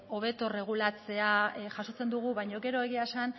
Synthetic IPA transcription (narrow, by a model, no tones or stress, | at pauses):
o̞β̞e̞t̪o̞re̞ɣ̞ulat͡se̞aʝaso̞t͡se̞nd̪uɣuβajɲo̞ɡe̞ɾo̞e̞ɣiasan